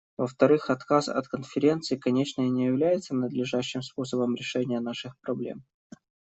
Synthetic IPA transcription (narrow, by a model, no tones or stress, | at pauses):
vəft̪ɐɾɨxɐt̪kasɐ̰t̪kənfʲɪɾʲe̞nt̪sɨɪkɐnʲet͡ɕnɨɪnʲɪjɪvlʲæjɪt̪sənəd̪lʲɪʐaɕːɪmspo̞səbəmɾʲɪʂɛnʲɪjənaʂɨxpɾɐblʲḛm